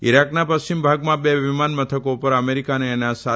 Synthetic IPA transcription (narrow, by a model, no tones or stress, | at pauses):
iɾaknapəst͡ʃimbʱaɡmãbeʋimanmət̪ʰəkopəɾəmeɾikaneːnasa